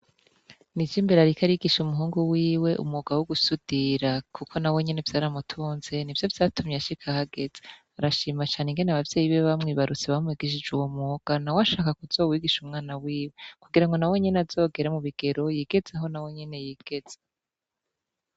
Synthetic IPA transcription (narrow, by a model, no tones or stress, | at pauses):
nid͡ʒiːmbeɾaɾikʰaɾiɡiʃumuɦuːŋɡuwiːwe̞ʔṵmoɡawoɡusud̥iɾakʰukʰo̞nawe̞ɲe̞ne̞vjaːɾamutʰuːnz̥e̞nivjo̞vjaːtumɲeaʃikʰahaɡe̞z̥e | aɾaʃiːmat͡ʃaːneŋɡe̞neaβavje̞ːjiβeβamŋiːβaɾut͡seβamŋwiːɡiʃ̬id͡ʒuwomoːɡ̥anawaʃaːkakuz̥o̞ːwiːɡiʃumŋaːnawiːwe̞kuɡiɾaŋɡo̞nawe̞ɲe̞neazo̞ːɡe̞ɾemuβiɡ̥e̞ɾo̞jiːɡe̞zeɦo̞nawe̞ɲe̞nejiːɡ̥e̞z̥e